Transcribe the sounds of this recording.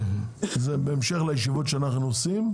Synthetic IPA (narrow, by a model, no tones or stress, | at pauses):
zebeːmʃeχlajeʃivotʃeanaχnuosim